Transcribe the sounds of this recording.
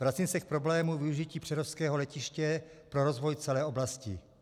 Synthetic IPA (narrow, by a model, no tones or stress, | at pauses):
vɾat͡simsɛk̚pɾo̞blɛːmuvɪuʒiciːpr̥ɛɾofskɛːɦolɛcɪʃcɛpɾoɾo̞zvojt͡sɛlɛːʔo̞blascɪ̰